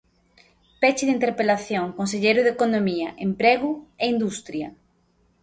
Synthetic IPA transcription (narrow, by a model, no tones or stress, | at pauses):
pɛt͡ʃɪðint̪eɾpelaθjoŋkons̬eʎejɾʊðekonomiɐʔempɾɛɣueind̪ust̪ɾjɐ